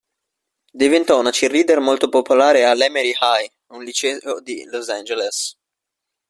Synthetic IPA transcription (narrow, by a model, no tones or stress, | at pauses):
d̪ivent̪ɔunat͡ʃirːiːd̪ermolt̪opopolaːɾealɛmeɾihaj | unlit͡ʃɛod̪ilosand͡ʒeles